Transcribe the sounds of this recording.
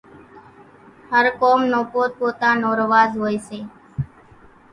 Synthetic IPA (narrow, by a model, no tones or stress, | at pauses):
həɾkoːmnõːpoːt̪̚poːt̪ãːnoːɾʋaːzɦoːjseː